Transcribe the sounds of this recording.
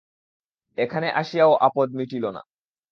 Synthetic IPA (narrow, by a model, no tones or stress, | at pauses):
ekʰaneʔaʃijaoʔapod̪̚miʈilona̰